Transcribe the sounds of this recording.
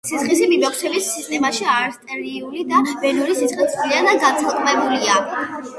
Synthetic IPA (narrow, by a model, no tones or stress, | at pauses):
sisχis̬imimɛkʰsʰɛbisːist̪ʼɛmaʃiaɾst̪ʼɛɾiulid̪aʃbɛnuɾisisχit̪sʰʼlianaɡant̪sʰilˠkʼmɛbulia